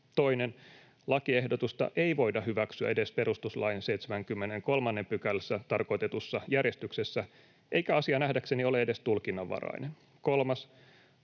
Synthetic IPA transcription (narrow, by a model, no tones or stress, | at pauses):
t̪o̞ine̞n | lɑkie̞hdo̞t̪ust̪ɑ̰ʔe̞iʋo̞jdɑɦyʋæksyæ̰e̞de̞spe̞ɾust̪uslɑjnsejt̪semæŋkymːene̞ŋko̞lmɑnːe̞mpykælsːæt̪ɑrko̞jt̪e̞t̪usːɑjærje̞st̪yksesːæ | ʔe̞jkæɑsiɑnæhdækse̞nio̞leede̞st̪ulkinːɑʋːɑ̰rɑ̰inen | ko̞lmɑs